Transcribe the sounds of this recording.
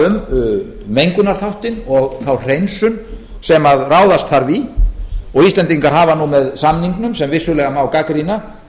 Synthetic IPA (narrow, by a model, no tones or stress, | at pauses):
ʏm | mejŋkʏnaɾ̥θawht̪ɪnɔɣθawr̥ejnsʏm | sɛmaðraːwðast̪θaɾvi | ɔɣist̪ɛnt̪iŋkaɾ̥ɦaːvanumɛðsamniŋknʏmsɛmvɪsʏlɛɣamawkakɾina